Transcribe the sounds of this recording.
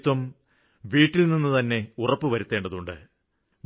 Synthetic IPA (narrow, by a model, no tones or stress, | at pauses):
t̪wɐm | ʋiːʈːilninːɨt̪ɐnːe̞urɐpːɨʋɐɾut̪ːe̞ːɳɖɐðuɳɖɨ̰ | m